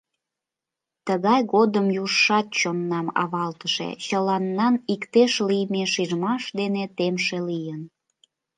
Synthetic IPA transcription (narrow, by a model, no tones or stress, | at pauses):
t̪əɣɑjɣod̪əmjuʃːɑt̪̚t͡ɕonːɑmɑ̰βɑlt̪əʃḛt͡ɕəlɑnːɑnikt̪eʃlijmeʃiʒmɑʃd̪enet̪emʃelijən